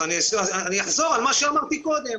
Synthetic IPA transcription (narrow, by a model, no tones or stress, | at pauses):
anisaaaniaħzoʁalmaʃeamaʁt̪ikoːd̪em